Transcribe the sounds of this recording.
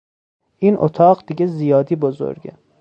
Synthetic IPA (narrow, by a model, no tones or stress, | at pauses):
ʔiːnʔo̰t̪ʰɒːɢd̪̥iɡʲezijɒːd̪iːbozo̰ɾɡḛ